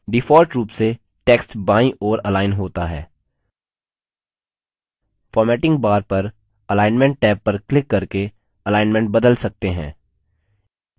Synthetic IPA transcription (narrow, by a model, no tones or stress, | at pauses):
ɖifɔːɾʈɾuːpse | ʈeːksʈbãːĩʔɔːɾɐlaːɪnɦoːt̪aɦɛ̰ː | fɔːɾmɛːʈɪ̃ŋɡ̚baːɾpɐɾ | ɐlaːɪnmɛ̃ɳʈ̚ːɛːpːɐɾklɪkːɐɾke | ɐlaːɪnmɛ̃ɳʈ̚bɐd̪əlsɐk̚t̪eɦɛ̰̃ː